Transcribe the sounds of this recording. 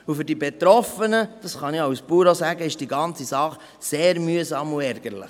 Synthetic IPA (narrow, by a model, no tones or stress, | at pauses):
ufʏɾdibet̪ɾɔfənəd̥ɑsχɑnɪawspuːɾosæɡəɪʃd̥iɡɑnt͡sisɑχ | seːɾmyəsɑːmuɛɾɡ̥əɾlə̰χ